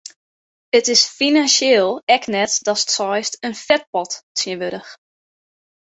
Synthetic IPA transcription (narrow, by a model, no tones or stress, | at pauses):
ətɪsfinansjeːlˠɛknɛtdɔsə̥tsɔjstənfɛt̚pɔttʰjiəʋøɾəx